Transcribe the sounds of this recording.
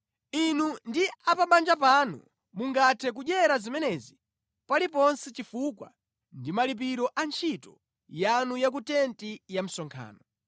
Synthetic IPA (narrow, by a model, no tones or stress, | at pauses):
inundiapaɓand͡ʒap̬anṵ | muŋɡatʰɛk̬uʄɛɾazimɛnɛzi | palipɔnsɛt͡ʃifukwa̰ | ndimalip̬iɾɔʔant͡ʃʰitɔ | janujak̬utɛntijam̩sɔŋkʰa̰ːnɔ